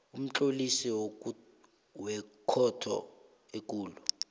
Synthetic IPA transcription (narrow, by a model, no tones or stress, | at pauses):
um̩t͡ɬolisiwo | wɛkʰɔtʰɔ̰ | ekʼuːlɔ